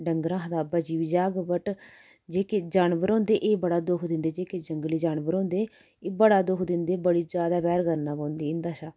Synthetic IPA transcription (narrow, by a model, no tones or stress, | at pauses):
ɖəŋɡɾãːɦd̪aːbəd͡ʒiːʋiːd͡ʒaːɡbəʈ | d͡ʒeːkeːd͡ʒaːnbəɾõːnd̪eːʔeːbəɽaːd̪ʊkʰd̪ɪ̃nd̪eːd͡ʒeːkeːd͡ʒəŋɡliːd͡ʒaːnbəɾõːnd̪eː | eːbəɽaːd̪ʊkʰd̪ɪnd̪eːbəɽiːd͡ʒjaːd̪aːbɛːɾɡəɾnãːpãːnd̪iːɪnd̪aːʃaː